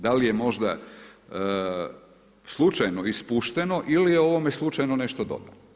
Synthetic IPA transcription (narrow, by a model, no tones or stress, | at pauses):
d̪alijemo̞ʒd̪a | slˠut͡ʃajno̞ispuʃt̪eno̞ʔilijeo̞ʋo̞meslˠut͡ʃajnoneʃt̪od̪o̞̰d̪a̰no